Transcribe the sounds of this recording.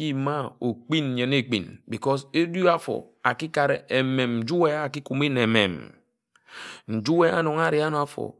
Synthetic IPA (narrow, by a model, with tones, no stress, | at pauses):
ji˦ma˦o˨k͡pi˦n˨ɲe˨ne˦˨k͡pḭ˨nbi˨kɔ˦se˦du˦a˦fɔ̰˨ | a˨ki˦ka˨ɾe˨e˨me˨mn̩˨d͡ʒu˦we˦a˨ki˦ku˨mi˦ne˨mḛ˨m | n̩˨d͡ʒu˦we˦a̰˦no˨ŋ˦a˦ɾi˨˦a˦no˨a˦fo̰˨